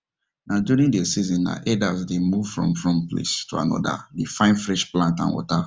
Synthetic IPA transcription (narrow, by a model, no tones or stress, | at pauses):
nʔaduɹĩŋdesizɔ̃nːa̰ʔɛdasdemuvfɹɔ̰̃mfɹɔ̃mplḛstʰua̰nɔ̰da̰difãɪ̃nfɹɛʃplãntã̰nwɔ̰ta